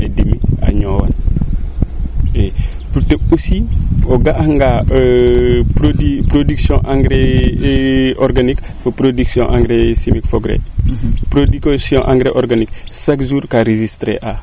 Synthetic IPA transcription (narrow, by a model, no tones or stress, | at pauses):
edimia̰ɲowa̰n | e | puteusioɡaʔaŋɡa | pɾodipɾodiksjɔ̰̃ʔaŋɡɾe | ʔɔɾɡanik | fəpɾodiksjõʔaŋɡɾesimikfoɡɾḛpɾodikasjɔ̃ʔa̰ŋɡɾeʔɔɾɡaniksakzuːɾkaɾezistɾḛʔa